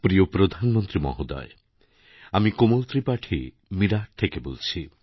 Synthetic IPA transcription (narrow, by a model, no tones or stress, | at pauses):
pɾijopɾod̪ʱanmɔnt̪ɾimɔ̰ɦod̪ɔ̰e | amikomolt̪ɾipaʈʰi | miɾaʈ̚t̪ʰekebo̰lt͡ʃʰi